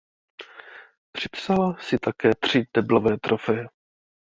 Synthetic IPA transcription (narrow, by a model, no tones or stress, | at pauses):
pr̝̥ɪpsalasɪt̪akɛːt̪r̝̥ɪd̪ɛblovɛːt̪ɾʔofɛjɛ